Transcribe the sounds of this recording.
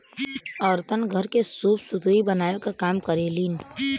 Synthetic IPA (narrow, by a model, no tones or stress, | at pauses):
əɾt̪ənɡʱəɾkesuːpsut̪ɾibənaːokakaːmkəɾeliːn